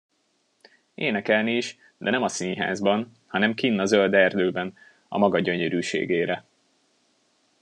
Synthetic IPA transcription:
eːnɛkɛlniːʃ | d̪ɛnɛmɒsiɲɦa̰ːzbɒn | hɒnɛmkinːɒzøld̪ɛrd̪øːbɛn | ɒ̰mɒɡɒɟø̞ɲøɾyːʃḛːɡeːɾɛ

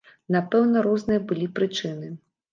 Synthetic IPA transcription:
napɛwnɐɾɔznɨjɐbɨlʲipɾɨt͡ʂɨnɨ

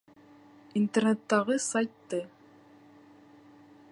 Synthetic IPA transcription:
int̪ernet̪ːɑʁɤsajt̪ːɤ

